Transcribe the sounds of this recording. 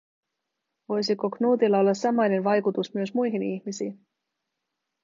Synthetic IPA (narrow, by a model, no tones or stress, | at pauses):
ʋo̞jsiko̞knuːt̪ilːɑo̞lːɑsːɑmɑjne̞nʋɑjkut̪usmyøsmujɦiniçmisiːn